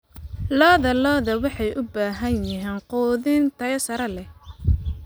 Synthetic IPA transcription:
lɔːðɐlɔːðɐwɑħɑjʔʊbaːɦɐnjɪɦɛːnqɔːðɪnt̪ʰɐjɐsɐɾɐlɛh

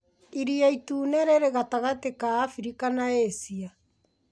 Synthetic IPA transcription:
iɾiaituːnɛɾeɾeɣataɣatekaːfiɾikanaesia

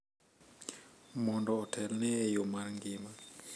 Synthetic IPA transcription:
mɔndɔːtʰɛlnɛːjomarŋɡɪma

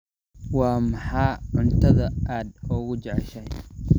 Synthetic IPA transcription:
wɑːmɑħɑːʕʊnt̪ʰɐðɐaːd̪ɔːɣʊt͡ʃɛʕɛʃɐj

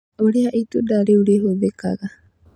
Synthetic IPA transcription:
oɾeaʔit̪udaɾeuɾeɦobeka̰ɡa

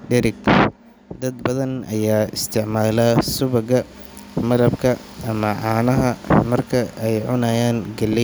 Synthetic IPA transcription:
ɖɛɾɪɡ | d̪ɐd̪bɐðɐnʔɐ̰jaːɪ̰st̪ʰɪʕmaːlaːsʊβɐɣɐ | mɐɾɐbkʰɐ | ʔɐmɐʕɑːnɐɦɐmɐrkʰɐɛjʕʊnaːjaːnɡɐlɪ

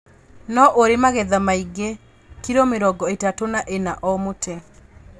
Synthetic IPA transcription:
nɔʔoɾemaɣɛðamaiɡe | kiɾomeɾɔɡɔetatonaʔenaʔɔmotɛ

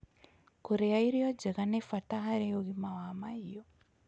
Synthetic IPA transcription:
kuɾejaiɾijod͡ʒekanefataɦaɾeoɣimawamaijo

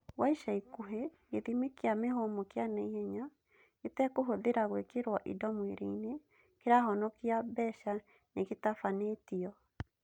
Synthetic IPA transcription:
waiʃaikuɦe | eðimekeameɦomokjanaihɛɲa | etɛkoɦoðeɾaɣwekeɾwaʔḭdɔmweɾeine | keɾaɦɔnɔkiabɛʃa | neɣetafanetiɔ

